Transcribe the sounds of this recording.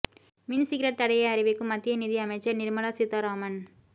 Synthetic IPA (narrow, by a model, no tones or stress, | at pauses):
mɪnsɪkɪɾɐʈ̚t̪ɐɽɐjɐɐɾɪʋɪkːɯmːɐt̪ːɪjɐniðiɐmɐɪt͡ʃːɐɾnɪɾmɐlasɪt̪ːaɾoːmɐn